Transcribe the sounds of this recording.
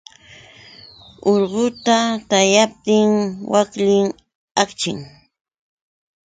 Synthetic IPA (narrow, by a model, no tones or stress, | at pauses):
oɾɢʊt̪at̪ajap̚t̪ɪŋwakʎɪŋ | akt͡ʃɪŋ